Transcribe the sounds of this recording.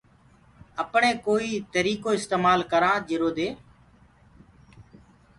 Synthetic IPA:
əpɳẽːkoːiːt̪əɾiːkoːɪst̪eːmaːlkəɾãːd͡ʒɪɾoːd̪eː

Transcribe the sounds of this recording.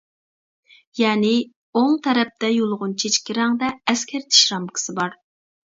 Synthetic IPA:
jɛːnɪ | oŋt̪ʰɛɾɛp̚t̪ɛjolˠʁʊnt͡ʃʰet͡ʃkʲiɾɛŋd̪ɛːskʲʰɛɾt̪ʰi̥ʃɾɑmkʰə̥sɨbɑɾ

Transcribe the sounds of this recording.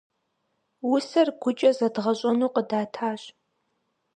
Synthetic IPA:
wʊsɐrɡʷʊt͡ʃʼɐzɐdʁɐɕʼɐnuːqədaːtʰaːɕ

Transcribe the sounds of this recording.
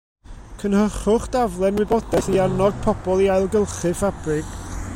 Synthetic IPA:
kʰənhəχʊχd̥avlˠɛnwɪbɔdɛɬiarnɔd̥̚pʰɔb̥ɔlˠiajlˠɡəlˠχɨfab̥rɪɡ̥

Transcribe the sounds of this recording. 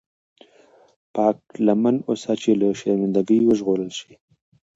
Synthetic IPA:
pɑːk̚lamanosat͡ʃelaʃaamɪnd̪aɡəjwəʒɣoɾəlʃi

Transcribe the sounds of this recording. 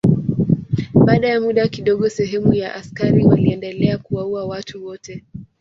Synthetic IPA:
ɓaːɗajamuɗakiɗɔɠɔsɛɦɛmujaʔaskaɾiwaliɛndɛlɛakuwauawatuwɔtɛ

